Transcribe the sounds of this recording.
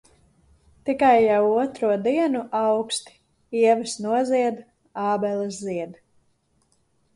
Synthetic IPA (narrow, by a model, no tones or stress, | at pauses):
t̪ikajːawuɔt̪ɾuɔd̪iɛnuʔawkst̪i̥ | iɛvɨsnuɔziɛd̪ | ɑːbɛlˠɨsziɛd̪